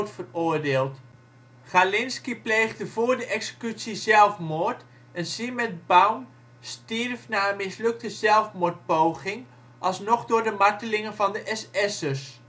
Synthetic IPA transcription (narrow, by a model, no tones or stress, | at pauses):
tfərʊːɹdeːlˠt | χalɪnskiplejχdəvʊːɹdəʔɛksə̥kytsizɛlˠfmʊɹt | ɛnzimɛd̚bawm | stirfnaːənmɪslɵk̚təzɛlˠfmʊːɹt̚powχɪŋ | ʔɑlˠsnɔχdʊːɹdəmɑɹtəlɪŋənvɑndəʔɛsɛsəs